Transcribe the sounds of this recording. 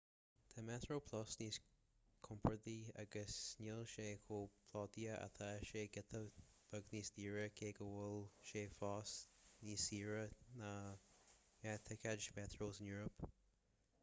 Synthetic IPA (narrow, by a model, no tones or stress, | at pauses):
t̪ʰamɛt̪ɹoːpʰlɔsniːs | kʰʊmpʰəd̪ia̰ɡəsnilʃeːkʰoːpʰlɑːt̪iəʔa̰t̪ʰaʃeːɡɪt̪ʰəb̥əɡniːsd̪iːɹəkʰeːɡəwʊlʃeːfɑːsniːsiːɹəna | mɛt̪ʰəkʰad͡ʒmɛt̪ɹoːsɪnjuːɹəp